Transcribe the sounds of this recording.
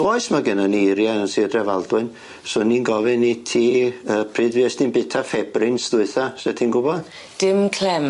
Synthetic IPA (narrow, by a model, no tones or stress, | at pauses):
ɔɨsmaɡənanejɾjaənsidrɛvalˠdwʊɨn | sʊnːiːnɡɔvɛnitʰiːəːpʰrɨːdviɛsninbɪtʰafɛbrɪnsdʊɨθasɛtʰinɡʊbɔd̥ | d̥ɪmkʰlɛm